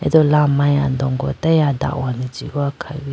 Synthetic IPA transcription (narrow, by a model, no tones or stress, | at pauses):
ɛ̰dɔlamajandɔŋɡɔtajada̰ʔwanid͡ʒiakʰawi